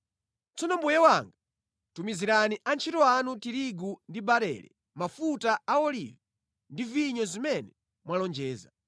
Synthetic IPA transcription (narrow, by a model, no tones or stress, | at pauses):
t͡sʰɔnɔmbujɛwaŋɡa | tumiziɾaniʔant͡ʃʰitɔanutiɾiɡundibaɾɛ̰ɾɛ̰ | mafutaaɔlḭvɛ | ndiviɲɔzimɛnɛ | mwalɔnd͡ʒɛːza